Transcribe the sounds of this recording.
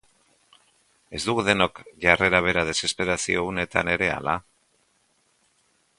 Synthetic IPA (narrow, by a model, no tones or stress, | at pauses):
e̞zd̪uɣuðe̞no̞kʝare̞ɾaβ̞e̞ɾað̞e̞se̞spe̞ɾasio̞ɣune̞t̪a̰ne̞ɾe̞a̰la